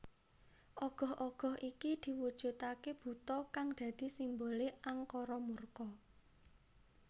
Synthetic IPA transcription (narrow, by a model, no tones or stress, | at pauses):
ʔɔɡ̥ɔ̤hʔɔɡ̥ɔ̤hʔikid̪̥i̤wud̥ʒ̥ṳt̪akeb̥ṳt̪ɔkaŋd̪̥ä̤d̪̥i̤simboleaŋkɔɾɔmurkɔ